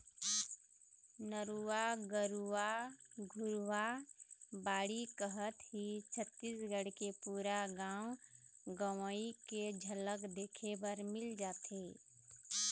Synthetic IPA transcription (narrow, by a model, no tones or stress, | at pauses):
nəɾuaɡəɾuwaɡʱʊɾwa | baːɽikəɦət̪ɦit͡ʃʰət̪ːiːsɡəɽkepuːɾaɡãːʊɡəwəiked͡ʒʱələkd̪eːkʰebəɾmɪld͡ʒaːt̪eː